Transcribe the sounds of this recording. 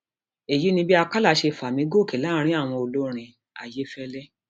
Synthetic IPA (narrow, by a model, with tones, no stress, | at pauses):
e˨ji˨˦nĩ˧bi˦a˧ka˦la˦˨˦ʃe˧fa˨mĩ˧˦ɡo˦˨ke˨la˦ɾ̃ĩ˦a˦˨w̃ɔ̃˧o˨lo˦ɾ̃ĩ˧ | a˨je˨˦fɛ˦lɛ˦